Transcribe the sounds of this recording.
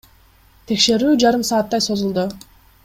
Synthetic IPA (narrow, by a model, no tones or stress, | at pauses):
t̪ʰe̞kʃe̞ɾyːd͡ʒɑɾɯmsɑːt̪ːɑjso̞zulˠd̪ʊ